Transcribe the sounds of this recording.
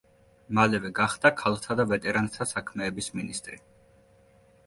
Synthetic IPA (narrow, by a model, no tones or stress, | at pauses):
malɛvɛɡaχd̪akʰalˠχt̪ʰad̪avɛt̪ʼɛɾant̪ʰasakʰmɛːbisminist̪ʼɾi